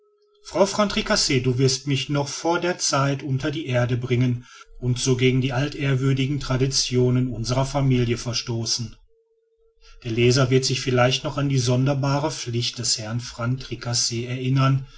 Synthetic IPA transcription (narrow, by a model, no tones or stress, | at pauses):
fʁ̥aʊfʁ̥antʁ̥ikaseːduːvɪɐstmɪçnɔχfoːɐdeːɐt͡saɪtʔʊntɐdiːʔeːɐdəbʁɪŋənʔʊntz̥oːɡeːɡŋ̩diːʔaltʔeːɐvʏɐdɪɡŋ̩tʁ̥adit͡sjoːnənʔʊnzəʁɐfamiːljəfɛɐʃtoːsn̩ | d̥eːɐleːzɐvɪɐtz̥ɪçfɪlaɪçtnɔχandiːzɔndɐbaːʁəflɪçt̚d̥ɛshɛɐnfʁ̥antʁ̥ikʰaseːɛɐʔɪnɐn